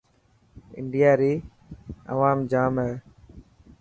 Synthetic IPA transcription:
ɪ̰ɳɖɪjaːɾiː | ɐ̰ʋaːmd͡ʒaːmɦɛː

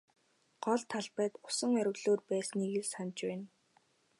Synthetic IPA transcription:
ɢ̥ɔɮt̪ʰːaɮpæːt̪ʊ̥sə̆ŋœɾʲɪ̆wɮoːrpæːsniːɣesant͡ɕpæːn

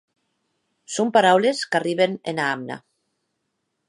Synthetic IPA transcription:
sompaɾawleskariβenenaamna̰

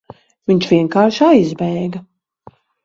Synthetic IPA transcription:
viɲt͡ʃvʲiɛŋkaːɾʃajzbɛjɡɐ

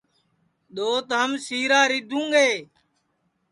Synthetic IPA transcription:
ɗ̪oːt̪ɦəmsiːɾaːɾid̪ʱũːɡeː

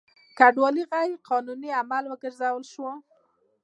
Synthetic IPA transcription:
kaɖwɑliɣaɾqɑnuniamalwəɡəɾzawəlʃwo

